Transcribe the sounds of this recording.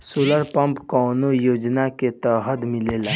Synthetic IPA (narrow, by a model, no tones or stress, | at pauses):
soːləɾpəmpkɔːnojoːd͡ʒnaket̪əɦəd̪mɪlela